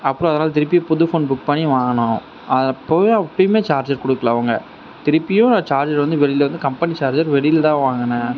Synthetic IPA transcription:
ɐpːɯɾɔ̃ɐðɐnaːlɐt̪ɪɾɯpːɪjɐ̃pʊðɯfoːnbʊk̚pɐɳːiʋaːɳʊ̃ | ʔɐðɐpːoːjɐpːɐjɯmeːt͡ʃaːɾd͡ʒɐɾkɔɽɯkːɐlãɐʋɐŋɡɐ | t̪ɪɾɯpːɪjʊ̃nt͡ʃaːɾd͡ʒɐɾʋɐnd̪ɯʋɛɭɪɪlʋɐnd̪ɯkɐmpɐnit͡ʃaːɾd͡ʒɐɾʋɛɭɪjɪlt̪ãːʋaːŋɡɐnɐ

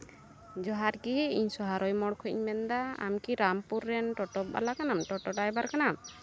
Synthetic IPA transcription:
d͡ʒɔɦaɾkiɦɛiɲsɔɦaɾɔjmɔɽkʰɔḭɲmɛnd̪aa̰mkiɾampuɾːɛnʈɔʈɔpa̰lakanamʈɔʈɔɖajbaɾkanam

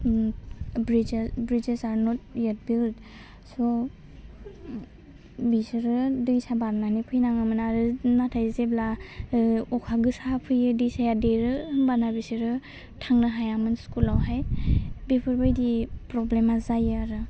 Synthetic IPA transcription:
bɾid͡ʒbɾid͡ʒesaɾnɔt̚jet̚bild | sɔ | bisiɾɯdɯjsabaɾnanipʰɯjnaŋɯmɯnaɾɯnatʰajzebla | ɔkʰaɡɯsapʰɯjɯdɯjsajadeɾɯbanabisiɾɯ | tʰaŋnaɦajamɯnskulawɦajbepʰɯɾbajdipɾɔblemazajɯaɾɯ

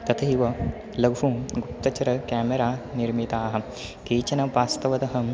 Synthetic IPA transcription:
t̪ɐt̪ʰɐɦiʋɐ | lɐɡʱɦuɡup̚t̪ɐt͡ʃɐɾɐkaːmeɾaːniɾmit̪aːɦɐ̆ | keːt͡ʃɐnɐʋaːst̪ɐʋɐd̪ɐɦɐ

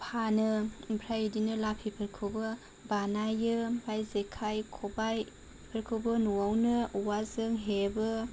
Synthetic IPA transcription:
pʰanɯpʰɾajidinɯlapʰipʰɯɾkʰɯbɯ | banajɯbajzekʰajkʰobaj | pʰəɾkʰɯbɯnuwawnɯwazɯŋɦebɯ

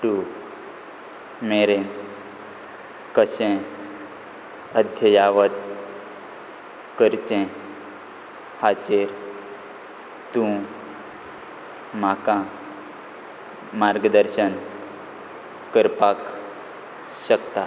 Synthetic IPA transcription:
ʈu | meɾẽ | kəɕẽ | əd̪ʱjəjaʋət̪̚ | kəɾt͡ɕẽ | hat͡ɕeɾ | t̪ũ | makã | maɾɡəd̪əɾɕən | kəɾpak | ɕəkt̪a

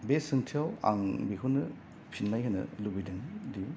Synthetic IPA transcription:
besɯŋtʰiawa̰ŋbiɦunɯ | pʰinlajhɯnɯ̰lubidɯŋdiu

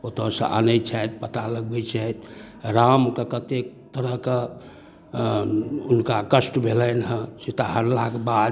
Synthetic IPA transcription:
ot̪əsə̰̃ʔə̰nəjt͡ʃʰajt̪̚pət̪aləɡ̚bɛt͡ʃʰajt̪ | ɾamkekət̪ek̚t̪əɾəɦke | unkakəsʈbʱelənɦə̃sit̪aɦəɾlakbad̪

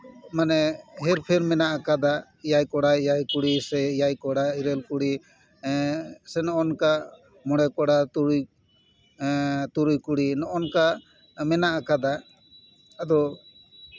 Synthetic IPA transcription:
manɛɦɛɾpʰɛɾmɛnaʔakad̪a | jajkɔɽajajkuɽisɛjajkɔɽaiɾɛlkuɽi | sɛnɔɔnka | mɔɽ̃ɛkɔɽat̪uɾuj | t̪uɾujkuɽinɔʔɔnka | mɛnaʔakad̪a | ad̪ɔ

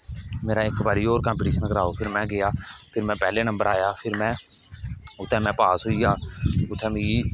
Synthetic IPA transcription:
meːɾaːɪkbaːɾiːoːɾkãmpɪːʈiːʃənkəɾaːoːpʰɪɾmɛ̃ːɡɪjaːpʰɪɾmɛ̃ːpɛːleːnə̃mbəɾaːjaːpʰɪɾmɛ̃ː | ʊt̪ʰːɛ̃ːmɛ̃ːpaːsɦʊiːɡaːʊt̪ʰːɛ̃ːmeːiː

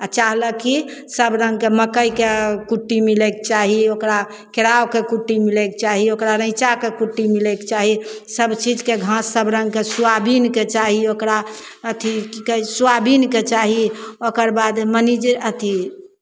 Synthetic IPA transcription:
at͡ʃaɦləkisəbɾə̃ŋɡkeməkəjkekuʈːimilekt͡ʃaɦiokɾa | keɾawkekuʈːimilekt͡ʃaɦiokɾaɾə̃ɪt͡ʃakekuʈːimilekt͡ʃaɦisəbt͡ʃid͡ʒkeɡʱãsːəbɾə̃ŋɡkesuabinket͡ʃaɦiokɾa | ət̪ʰiikəsuabinket͡ʃaɦiokəɾbad̪mənid͡ʒət̪ʰi

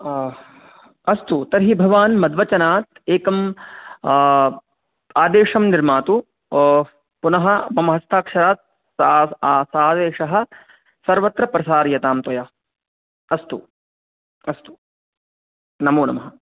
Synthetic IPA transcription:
ɐst̪ut̪ɐɾɦibʱɐʋaːnmɐd̪ʋɐt͡ʃɐnaːt̪̚eːkɐm | aːd̪eːʂɐmniɾmaːt̪u | punɐɦɐ̆mɐmɐɦɐst̪ʰaːkʂɐɾaːt̪̚ | ssaːd̪eːʂɐɦɐ̆ | sɐɾʋɐt̪ɾɐpɾɐsaːɾjɐt̪aːmt̪ɐja | ɐst̪u | ɐst̪u̥ | nɐmoːnɐ̰mɐɦɐ

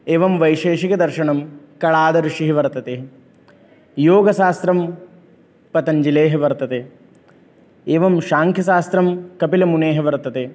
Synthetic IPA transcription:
eːʋɐmʋɐjʃeːʃikɐd̪ɐɾʃɐɳɐm | kɐɭaːd̪ɐɾuʂiɦiʋɐɾt̪ɐt̪e | joːɡɐʃaːst̪ɾɐm | pɐt̪ɐɲd͡ʒileːɦɐʋɐɾt̪ɐt̪e | eːʋɐmʃaːŋkʰjɐʃaːst̪ɾɐmkɐpilɐmuneːɦɐʋɐɾt̪ɐt̪e

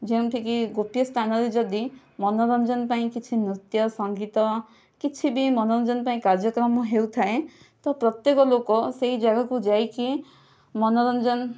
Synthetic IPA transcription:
d͡ʒẽt̪ʰikiɡopjɔst̪ʰanɔɾed͡ʒɔd̪i | mɔnɔɾɔnd͡ʒɔnpaĩkit͡ʃʰinɾit̪jɔsɔŋɡit̪ɔ | kit͡ʃʰibimɔnɔɾɔnd͡ʒɔnpaĩkaɾd͡ʒjɔkɾɔmɔɦewt̪ʰae | t̪ɔpɾɔt̪jekɔlokɔseɦid͡ʒaɡakud͡ʒajki | mɔnɔɾɔnd͡ʒɔn

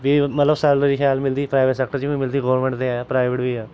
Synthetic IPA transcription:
ʋiːmət̪ləbsaɾlːɾiːxʰjaːlmɪld̪iːpɾaːɪʋeʈsɛk̚ʈəɾd͡ʒiʋĩːmɪld̪iːɡoːʋɾmẽːɳʈt̪eaaːpɾaːɪʋeʈbiːɛː

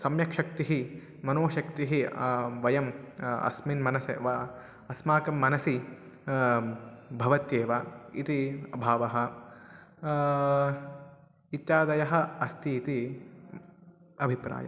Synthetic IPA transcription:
sɐmjɐkʂɐk̚t̪iɦi | mɐnoːʃɐkt̪iɦiʋɐjɐmɐ̰sminmɐnɐsḛʋɐ | ɐsmaːkɐmːɐnɐsi | bʱɐʋɐt̪jeːʋɐḭt̪iɐbʱaːʋɐɦɐ̆ | it̪jaːd̪ɐjɐɦɐ̆ɐst̪ʰiːt̪i | ɐbʱipɾa̰ːjɐ̰

